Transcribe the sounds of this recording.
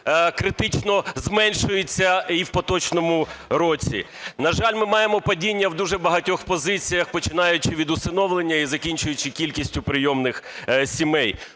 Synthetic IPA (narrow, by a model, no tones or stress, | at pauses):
kɾɪt̪ɪt͡ʃnɔzmɛnʃʊjet͡sʲːɐiwpɔt̪ɔt͡ʃnɔmʊɾɔt͡sʲḭ | nɐʒɑlʲmɪmɑjemɔpɐdʲinʲːɐwd̪uʒɛbɐɦɐtʲɔxpɔzɪt͡sʲijɐxpɔt͡ʃɪn̪ɑjʊt͡ʃɪʋʲid̪ʊst̪ɪnɔʋlˠenʲːɐizɐkʲinʲt͡ʃʊjʊt͡ʃɪkʲilʲkʲisʲtʲʊpɾɪjɔmnɪxsʲimɛj